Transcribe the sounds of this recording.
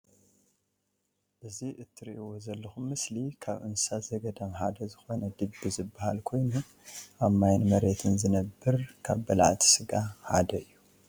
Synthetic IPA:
ʔɨziʔɨt̪ʰːɨɾḭʔiwozɐlːɐxumːɨslikʰaβʔɨ̰nsazɐɡɐd̪ɐmħad̪ɐzɨxo̞nɐd̪ɨbːizɨbːahalkʰo̞jnu | ʔamajnmɐɾet̪ʰɨnzɨnɐbːɨɾkʰa̰βbɐlaʕt̪ʰi̥sɨɡaħa̰d̪ɐɨjːu

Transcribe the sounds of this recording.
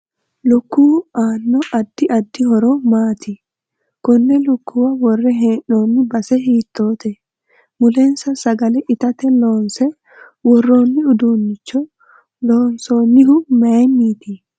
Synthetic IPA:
lʊkːuːaːnːɔɐd̪ːɪʔɐd̪ːɪhɔɾɔmaːt̪ɪ | kɔnːɛlʊkːʊwɐwɔrːɛɦeːnːoːnːɪbɐsɛɦiːt̪ːo̞ːt̪ɛ | mʊlɛnsɐsɐɡɐlɛʔɪt̪ɐt̪ɛloːnsɛ | wɔrːoːnːɪʊd̪uːnːɪt͡ʃːɔ | loːnsoːnːɪɦʊmɐmːiːt̪ɪ

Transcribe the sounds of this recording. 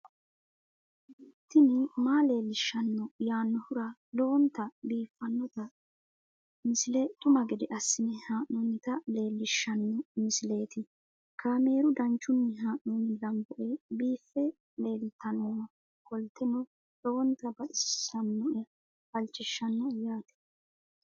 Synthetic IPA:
ɪt̪ːɪnɪmaːle̞ːlːɪʃːɐnːɔjaːnːɔhʊɾɐlɔːnt̪ɐbiːfːɐnːɔt̪ɐ | mɪsɪlɛt̪ʊmɐɡɛd̪ɛʔɐsːɪnɛhaːʔnɔnːɪt̪ɐle̞ːlːɪʃːɐnːɔmɪsɪle̞ːt̪ɪ | kʰaːme̞ːɾʊd̪ɐnt͡ʃːʊnːɪɦaːʔnɔːnːɪlɐmbɔʔɛbiːfːɛ | le̞ːlt̪ːɐnɔ | kɔlt̪ɛnɔ | loːnt̪ɐbɐʔɪsɐnːɔʔɛ | fɐlt͡ʃːɪʃːɐnːɔjaːt̪ɛ̥

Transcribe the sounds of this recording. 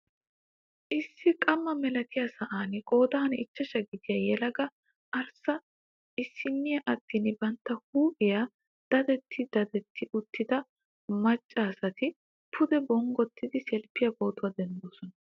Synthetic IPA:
ʔɪsːɪkʼɐmːɐmɛlɐt̪ɪjasɐʔaːnkʼo̞ːd̪aːnɪt͡ʃːɐʃɐɡɪd̪ɪjɐjɛlɐɡɐ | ʔɐɾsɐ | ɪsːɪnːɪjɐʔɐt̪ːinbɐnt̪ːɐhuːʔɪja | d̪̥ɐd̪ɛt̪ʰːɪd̪̥ɐd̪ɛt̪ʰːɪʔʊt̪ːɪd̪ɐ | mɐt͡ʃʼːaːsɐt̪ɪ | pʰʊd̪ɛbɔŋɡɔt̪ʰːɪd̪ɪsɛlpːɪjɐbo̞ːt̪ʊɐd̪ɛnd̪oːsɔnɐ

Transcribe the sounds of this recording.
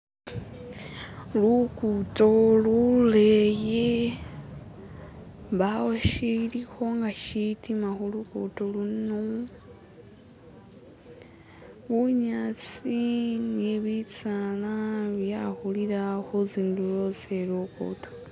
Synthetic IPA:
lukuto̞luleje | βawoʃilixo̞ŋɡaʃitimaxolukṵto̞luno | βuɲat͡sineβit͡salaβjaxuliɾaxoziːndujoselokṵto̥

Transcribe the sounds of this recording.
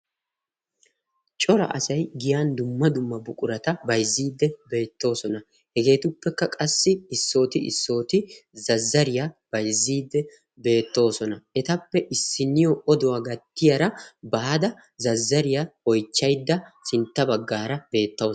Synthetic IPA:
t͡ʃʼɔɾɐ̰ʔɐsɐjɡɪjaːnd̪ʊmːɐd̪ʊmːɐbʊkʼʊɾɐt̪ɐbɐjzːiːd̪ːɛbe̞ːt̪ːo̞ːsɔnɐ | hɛɡe̞ːt̪ʊpːɛkːɐkʼɐsːɪɪsːo̞ːt̪ɪʔɪ̰sːo̞ːt̪ɪzɐzːɐɾɪjab̥ɐjzːiːd̪ːɛ | be̞ːt̪ːo̞ːsɔnɐʔɛt̪ɐpːɛʔɪsːɪnːɪjɔɔd̪ɔwaːɡɐt̪ːɪjɐɾɐbɐɐd̪ɐ | zɐzːɐɾɪjaɔjt͡ʃːɐjd̪ːɐsɪnt̪ːɐbɐɡːaːɾɐb̥e̞ːt̪ːɐ

